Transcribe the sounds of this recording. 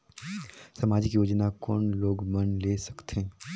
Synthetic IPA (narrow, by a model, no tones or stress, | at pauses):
sɐmaːd͡ʒɪkjoːd͡ʒnakɔːnloːɡmɐnleːsɐ̥kt̪ʰe